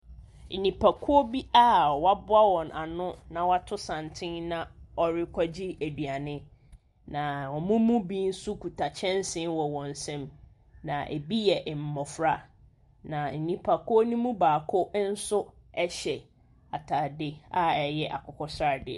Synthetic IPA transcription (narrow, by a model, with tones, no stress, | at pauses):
n̩˨nĩ˨pʰa˨kʰʊ˦o˦bi˦a˦ɔ˨wa˦bʊ˦a˦wɔ̃˨nʔa˨nʊ̃˦nã˨wa˦tʰʊ˦sã˨ntʰɪ̃˦nnã˦ɔ˨ɾɪ˦kʰʷɔ˦d͡ʑi˦æ˨di˨a˨nɪ̃˦ | nã˨wɔ̃˨mũ˦mũ˦bĩ˦n̩˦sʊ˦kʰu˨tʰa˨t͡ɕʰɛ̃˦n˦sɪ̃˦nwɔ˨wɔ̃˨n˨sɛ̃˦m | nã˨ʔḛ˨bi˦jɛ˨ʔm̩˨mɔ˨fɾa˨ | nã˨n̩˨nĩ˨pʰa˨kʰʊ˦o˦nũ˦mũ˦baː˨kʰʊ˦n̩˦sʊ˦ | ɛ˦ɕɛ˨ | a˨tʰa˨dɪ˦a˦ɛ˨jɛ˦ʔa̰˨kɔ˨kʰɔ˦sa˨dɪ̰˦˨